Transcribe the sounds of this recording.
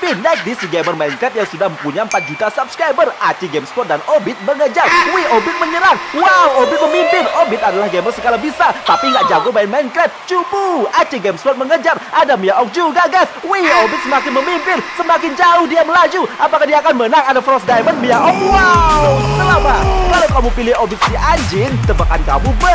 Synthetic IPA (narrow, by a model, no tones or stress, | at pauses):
pinak̚disiɡɛmərmankɾɛt̪̚jaŋsudahməmpuɲaəmpat̪̚d͡ʒut̪asap̚skɾajbərat͡ʃiɡemspɔt̪̚danobɪt̪̚məŋəd͡ʒarwiobɪt̪̚məɲəɾaŋwawobɪt̪̚məmimpɪnobɪt̪̚adalahɡɛmərsəɡalabisat̪apiŋɡaʔd͡ʒaɡʊbainmankɾɛt̪̚t͡ʃubuat͡ʃiɡɛmspɔt̪̚məŋəd͡ʒarʔadamiaʔɔk̚d͡ʒuɡaɡaswiobɪt̪̚səmakɪnməmimpɪnsəmakɪnd͡ʒaʊhdiaməlad͡ʒuʔapakadiakanmənaŋadafɾɔsdajmənmiaʔɔk̚wasəlamakalawkamupilɪhobɪt̪̚siʔaɲd͡ʒɪnt̪əbakanka̰mubə